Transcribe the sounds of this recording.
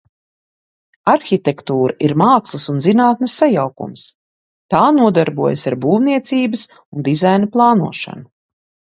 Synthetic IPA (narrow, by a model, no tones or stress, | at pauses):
aɾxʲit̪ekt̪uːɾaʔiɾmaːkslˠɐsunzinaːt̪̚nɐsːajawkṵms | t̪aːnuɔd̪aɾbuɔjasaɾbuːvniɛt̪siːbɐs | und̪izajnɐplˠɑːnṵɔʃa̰nu